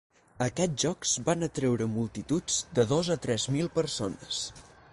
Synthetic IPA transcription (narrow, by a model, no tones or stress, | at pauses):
əkɛʒɔkz̥banət̪ɾɛwɾəmulˠt̪it̪ud͡zd̪əðozət̪ɾɛzmilˠpəɾsonəs